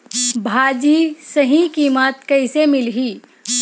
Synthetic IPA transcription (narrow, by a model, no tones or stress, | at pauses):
bʱaːd͡ʒisəɦĩkiːmət̪kɐɪsemɪlɦiː